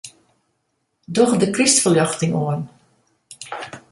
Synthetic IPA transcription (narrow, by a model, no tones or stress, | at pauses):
dɔxdəkristfəljɑxtɪŋoən